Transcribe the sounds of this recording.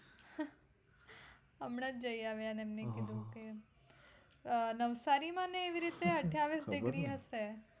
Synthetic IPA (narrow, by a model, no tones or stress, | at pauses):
əmɽ̃ãd͡ʒəjaʋjanemnekɪd̪ʱũke | nəʋsaɾimãneːʋiɾit̪eəʈʰjaʋisɖɪɡɾiɦəse